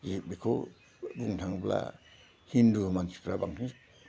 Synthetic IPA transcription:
zibikʰo | buŋtʰaŋbla̰ | hinduhmansi̥pɾabaŋtʰiŋs

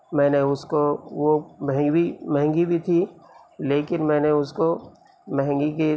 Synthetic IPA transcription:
mɛ̃ːneʊskoʋomɛɦbimɛɦɛ̃ŋɡibʱit̪ʰiː | leːkɪnmɛ̃ːneʊsko | mɛɦɛ̃ŋɡike

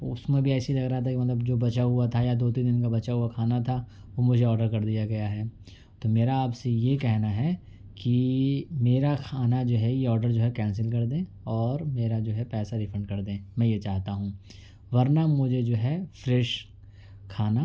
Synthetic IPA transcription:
ʊsmẽbʱiɛːseɦilɐɡɾaɦat̪ʰakimɐt̪ləbd͡ʒoːbɐt͡ʃaɦʊat̪ʰajad̪oːt̪̬ĩːnd̪ɪnkabɐt͡ʃaɦuakʰaːnat̪ʰa | ʋomʊd͡ʒʱeɔːɾɖəɾkɐɾd̪ijaɡɐjaɦɛː | t̪omeːɾaːpsejekɛɦnaɦɛ | kimeːɾakʰaːnad͡ʒoːɦɛjeɔːɾɖəɾd͡ʒoːɦɛkɛ̃ːnsɪlkɐɾd̪ẽː | ɔːɾmeːɾad͡ʒoːɦɛpɛːsaɾɪfʰə̃ɳɖkɐɾd̪ẽːmɛ̃ːjet͡ʃaːɦt̪aɦũ | ʋɐɾnamʊd͡ʒʱed͡ʒoːɦɛfɾɛːʃ | kʰaːna

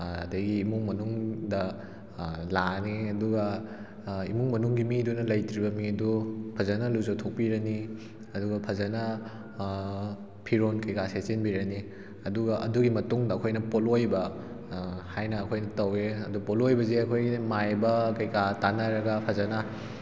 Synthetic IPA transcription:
ɐ̰dɐjɡiːmuŋmɐnuŋdɐ | laniɐduɡɐ | ḭmuŋmɐnuŋɡimidunɐlɐjtɾibɐmiɐdupʰɐzɐnɐluzowtʰok̚piɾɐni | ɐduɡɐpʰɐzɐnɐ | pʰiɾonkɐjkaset͡ʃinbiɾɐni | ɐduɡɐʔɐduɡimɐtuŋdɐːkʰojnɐpolojbɐ | hajnɐːkʰojnɐtɐweɐdupolojbɐzeɐkʰojɡimajbɐkɐjkatanaɾɐɡɐpʰɐzɐnɐ

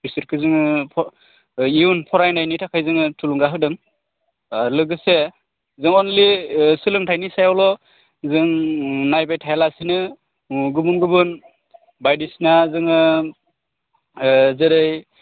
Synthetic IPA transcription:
pʰisɯɾkʰɯzɯŋɯpʰɔ | iunpʰɔɾajnajnitʰakʰajzɯŋɯtʰuluŋɡaɦɯk̚dɯŋ | lɯɡɯse | zɯŋɔnlisɯlɯŋtʰajnisajalɔ | zɯŋnajbajtʰajlasinɯ | ɡɯbunɡɯbɯn | bajdisinazɯŋɯ | zɯɾɯj

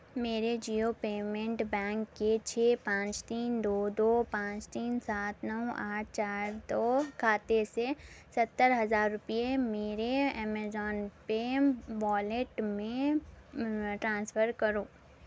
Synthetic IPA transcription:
meːɾed͡ʒiːopeːmẽɳʈbɛ̃ːŋkːet͡ʃʰeːpãːt͡ʃt̪iːnd̪oːd̪oːpãːt͡ʃt̪iːnsaːt̪nəũaːʈ̚ʰt͡ʃaːɾd̪oːkʰaːt̪esesɐt̪ːəɾɦɐzaːɾːʊpijemeːɾeɛːmɛzɔːnpeʋɔːleʈmẽ | ʈɾãːnsfʰəɾkəɾoː

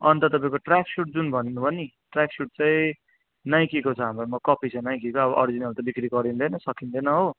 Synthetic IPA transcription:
ʌnt̪ʌt̪ʌpaĩkoʈrakʰsuʈ̚d͡zunbʱʌninubʱʌni | ʈraksuʈ̚t͡saĩ | naj̃kikot͡sʰʌɦamromʌkʌpʰit͡sʰʌnaj̃kikoːbʌʔʌɾid͡zinʌlt̪ʌbikɾiɡʌɾind̪enʌsʌkind̪enʌɦo

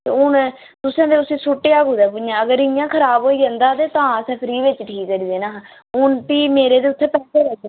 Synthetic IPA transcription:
ḛʊn | t̪ʊsãːd̪eːʊsĩːsʊʈːeːaːɡuːd̪aːpʊijãːəɡəɾɪjãːkʰəɾaːboːiːd͡ʒɛ̃nd̪aːd̪eːt̪ãːəsɛ̃ːpʰɪɾiːʋɪt͡ʃʈʰiːkːəɾiːd̪eːnaːɦ | ʊɳpiːmeːɾeːd̪eːʊt̪ʰːeːpɛːd̪eːɾɛ

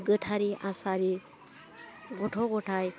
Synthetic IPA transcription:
ɡəʈʰaɾiʔasaɾi | ɡɔʈʰɔɡɔʈʰaj

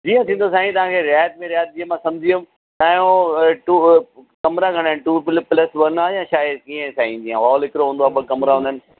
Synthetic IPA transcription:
d͡ʑiːãt̪ʰĩːnd̪osaːɦĩt̪ɐʋãːkʰeɾɪjaːjət̪̚mẽɾjaːjət̪̚d͡ʑiːə̃mãsɐ̃md͡ʑʱijum | t̪aːjõʈukɐmɾaɡʱɐɽ̃aːɪ̃nʈuːpɪlplɐsʋɐnaːjãːʃaːjɪd̪kiːə̃saːĩd͡ʑiːãɦaːlɪkɪɾoɦːnd̪oaːbəkɐmɾaɦũnd̪ənɪ̆

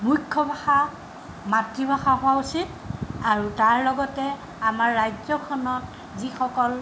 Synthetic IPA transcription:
mujkʰːɔbʱaxa | matɹibʱaxaɦʊwausit | aɹutaɹlɔɡɔtɛ | amaɹːajzɔkʰɔnɔt | zixɔkɔl

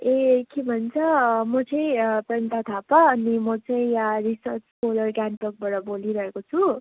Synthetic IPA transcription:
ekebʱʌnt͡sʰʌmʌt͡sʌĩprʌnt̪at̪ʰapaʌnimʌt͡saĩrisʌrt͡skolʌrɡanʈʌk̚baɽʌboliɾʌɦekot͡sʰu

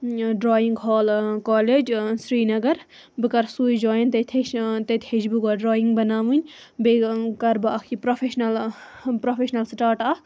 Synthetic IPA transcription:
ɖɾoːjiŋɡɦɔːlkɔːled͡ʒsɾiːnɐɡɐɾ | bɨkɐɾsuːjd͡ʒoːjɐnt̪ɐt̪ʲʰeʃt̪ɐt̪ʲhed͡ʒbuɡoːɖɾoːjiŋɡbɐnaːʋɨnʲ | bekɐɾbɐɐkʰipɾopʰeʃnɐl | pɾofʰeʃnɐlsʈaːɾʈa

